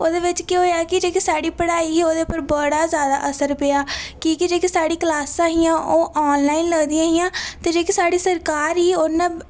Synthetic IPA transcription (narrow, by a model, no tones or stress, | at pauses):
oːd̪eːʋɪt͡ʃkeɦoːjaːkɪd͡ʒeːkisaːɽiːpəɽaːiːoːd̪eːpəɾbəɽaːzjaːd̪a̰ːʔəsəɾpeːaːkiːkɪd͡ʒeːkisaːɽiːklaːsãːɦɪjãːʔoːʔɔːnlaːiːnləɡd̪ijãːɦɪjãːt̪eːd͡ʒeːkisaːɽiːsəɾkaːɾiːoːnãː